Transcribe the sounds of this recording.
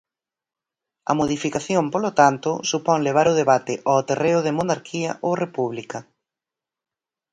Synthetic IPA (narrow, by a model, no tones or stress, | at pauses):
ɐ̰moðifikaθjompolot̪ant̪ʊsupɔŋleβ̞aɾʊð̞eβat̪ɪʔɔt̪ereʊð̞ɪmonaɾkʰiɐ̰ʔowrepuβlikɐ